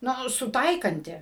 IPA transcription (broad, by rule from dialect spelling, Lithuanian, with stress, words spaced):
ˈnʊ sʊˈtɐɪkɐnʲtʲɪ